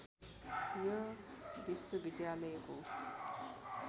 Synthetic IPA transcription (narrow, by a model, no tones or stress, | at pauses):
jʌ | biswʌbid̪jaləjəko